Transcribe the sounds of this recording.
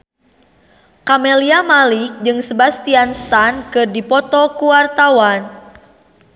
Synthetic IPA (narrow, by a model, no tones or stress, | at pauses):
kameliamalik̚d͡ʒɨŋsəbast̪ianst̪ankɨrdipɔt̪ɔkuwart̪awan